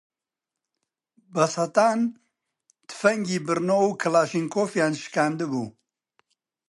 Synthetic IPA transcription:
bɐsɐt̪aːn | t̪ʰɨ̥fɐŋɡiːbɨɾnoːwkʰɨlaːʃiŋkʰoːfjaːnʃɨ̥kaːnd̪ɨbṵː

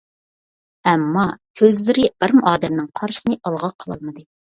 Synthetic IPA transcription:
ɛmːɑkʲʰøzlɪɾɪbɪɾmʔɑːd̪ɛmnɨŋqʰɑɾsɨnɨʔɑlˠʁɑqʰəlˠɑlˠmɨd̪ɨ

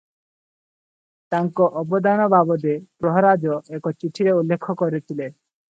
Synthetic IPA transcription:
t̪aŋkɔʔɔbɔd̪anɔbabɔd̪epɾɔɦɔɾad͡ʒɔekɔt͡ʃiʈʰiɾeulːekʰːɔkɔɾit̪ʰile

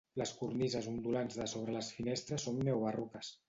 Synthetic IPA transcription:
ləskurnizəzund̪ulanzðəsoβ̞ɾələsfinest̪ɾəsːonːɛwβərukəs

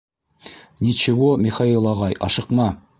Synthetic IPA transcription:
nit͡ɕɘ̆womʲiχailˠɑʁɑjɑ̰ʃɤ̆qmɑ

